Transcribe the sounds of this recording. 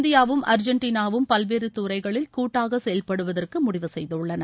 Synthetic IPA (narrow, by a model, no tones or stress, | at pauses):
nd̪ɪjaːʋɯmʔɐɾd͡ʒɐɳʈiːnaːʋɯmpɐlʋeːɾɯt̪uːɾɐɪɣɐɭɪlkuːʈːaːɣɐsɛjɐlpɐɽɯʋɐðɐrkɯmʊɽɪʋɯsɛjðɐɯɭːɐnɐ